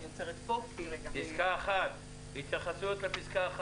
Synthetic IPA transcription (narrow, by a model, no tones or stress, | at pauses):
jot͡seʁet̪popizkaeχat̪ | hit̪jaχasujot̪lepiskaaχ